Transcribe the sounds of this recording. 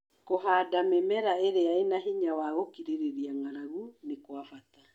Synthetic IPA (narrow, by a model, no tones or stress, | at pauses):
koɦaːdamemɛɾaeɾeaenaɦiɲawaɣokiɾeɾeɾiaŋaɾaɣunekwafata